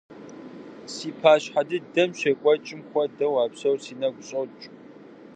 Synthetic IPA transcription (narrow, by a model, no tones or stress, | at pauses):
siːpʰaːɕħadɨdɐmɕɐkʷʼɔt͡ʃʼɪmxʷɔdɐwaːpsɐwsiːnɐɡʷʊɕʼɐwt͡ʃʼ